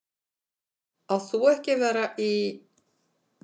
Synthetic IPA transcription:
aðθuɛhcɪvɛːɾaʔi

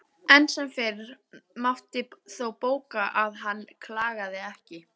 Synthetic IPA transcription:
ɛnsɛmfɪːɾɾmaft̪ɪθowpoːwkaʔaðɦanːkʰlaːɣaðɪɛhcɪ

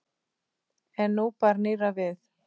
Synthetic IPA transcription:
ɛnːupaɾneːɾavɪθ

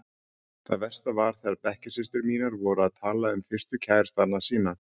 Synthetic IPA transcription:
θaðvɛr̥st̪avaɾ̥θɛaɾpɛhcɪ̥sɪst̪ɪɾmiːnaɾvɔɾʏaðt̪ʰaːlaʏmfɪr̥st̪ʏcʰaːjɾ̥st̪aɾnasiːna

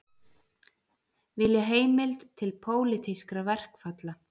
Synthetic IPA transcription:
vɪljaɦeːjmɪlt̪t̪ʰɪlpʰoːwlɪt̪ʰiskɾavɛr̥kfat̪la

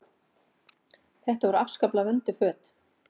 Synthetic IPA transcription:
θɛht̪avɔɾʏafskaplavœnt̪ʏfœːt̪

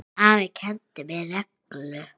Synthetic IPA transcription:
avɪcʰɛnt̪ɪmɪɾɛklʏ

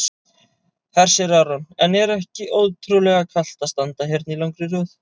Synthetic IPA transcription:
hɛr̥sɛɾaɾɔnɛnɛɾɛhcɪʔoːwt̪ʰɾulɛɣakʰal̥t̪ast̪ant̪aɦɪɾt̪nilawŋkɾɪrʏːθ

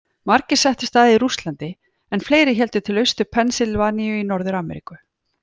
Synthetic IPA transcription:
maɾcɪ̥sɛht̪ɪst̪θaːðiɾust̪lant̪ɪ | ɛnfleːjɾɪçɛlt̪ʏt̪ʰɪlœɥst̪ʏpʰɛnsɪlvaːnijʏinɔɾðʏɾaːmɛ̰ɾḭkʏ

